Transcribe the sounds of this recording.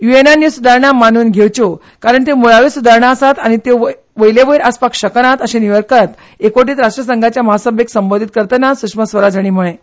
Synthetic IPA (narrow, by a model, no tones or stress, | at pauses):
juenanjusud̪ʱaɾɳamanuːnɡʱewt͡ɕo | kaɾəɳt̪emuɭaʋesud̪ʱaɾɳaəsat̪añit̪o | ʋəjleʋəiɾaspakɕəknat̪əɕeniʋəɾkət̪ | ekoʈ̬iːt̪ɾaʂʈɾəsəŋɡʱat͡ɕjaməɦasəbʱjəksəmbond̪ʱit̪̚kəɾt̪ənasukʂməsʋəɾad͡zʱaɽ̃iːm̤uɭe